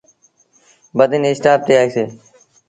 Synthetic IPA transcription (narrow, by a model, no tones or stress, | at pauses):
bəd̪ɪnesʈaːp̚t̪eaːiseː